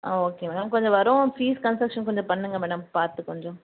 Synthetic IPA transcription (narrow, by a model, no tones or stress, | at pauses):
ʔaːoːkeːmeːɽɐmkɔɲd͡ʒɔ̃ʋɐɾõfiːskɐnsɾɐkʂɐnkɔɲd͡ʒɔ̃pɐɳːɯŋɡɐmeːɽɐmpaːɾt̪ɯkɔɲd͡ʒõ